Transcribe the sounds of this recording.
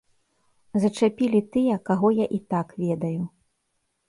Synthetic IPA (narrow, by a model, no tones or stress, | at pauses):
zɐt͡ʂapʲilʲit̪ɨjɛkaɣɔjaʔit̪akvʲɛd̪ɐju